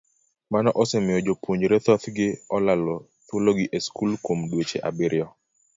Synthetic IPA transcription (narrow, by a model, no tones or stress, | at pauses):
manɔʔɔsɛmɪjɔd͡ʒopwoɲd͡ʒɾɛt̪ɔt̪ɡɪɔlalɔ | t̪woloɡɪʔeskulkomdwet͡ʃeʔa̰bɪɾjɔ